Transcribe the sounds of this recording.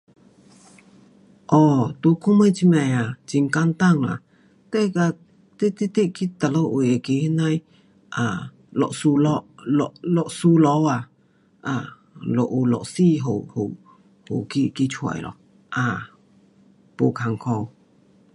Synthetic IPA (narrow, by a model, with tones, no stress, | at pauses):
ʔɔ˧˩t̪u˨˧˦kʰo˦mə˧˨t͡ɕʰi˧˥mɛ˧˩a˨t͡ɕi˨ŋka˧˥nt̪a˥˨ŋla̰˨ | t̪ɛ˧ka˧˨ | t̪e˦t̪e˥˧t̪e˦ʔki˧˦t̪a˨lo˦ʔo˨ja˨ke˧˦hi˦na˧˨j | ʔa˨ | lɔ̰˧˨ʔsu˧lɔ˦lɔ˧˨ʔlɔ˧˨ʔsu˧˦lɔ˧˦wa˨ | ʔa˨ | lɔ˨ʔo˧lɔ̰˨ʔsi˥˧˨ɦo˨ho˨ | ho˨ki˧˨ki˧t͡ɕʰwa̰˨jlɔ̰˨ | ʔa˧˩ | po˨kʰa˨˧˨ŋkʰɔ˧w